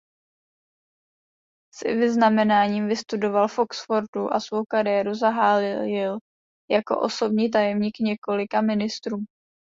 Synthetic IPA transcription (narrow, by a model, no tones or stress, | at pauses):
sɪ̰vɪznamɛnaːɲiːmvɪst̪udo̞valfʔo̞ksfo̞ɾduʔa̰svowkaɾɪjɛɾuzaɦaːlɪljɪl | jako̞̰ʔo̞so̞bɲiːt̪̬ajɛmɲiːkɲɛko̞lɪkamɪnɪst̪ɾuː